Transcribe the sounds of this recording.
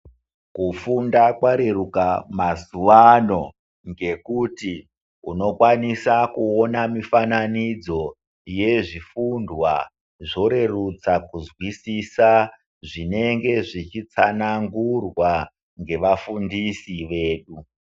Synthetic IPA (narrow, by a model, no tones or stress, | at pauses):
kufundakwaɾe̞rukamazuʋano̞ | ŋɡe̞kuti | uno̞kwanisakuonamifananid͡zo̞ | je̞ʐifundwa | ʐo̞ɾe̞rut͡sakuzwisisa | ʐine̞ŋɡe̞ʐit͡ʃit͡sanaŋɡurwa | ŋɡe̞ʋafundisiʋe̞ːɗu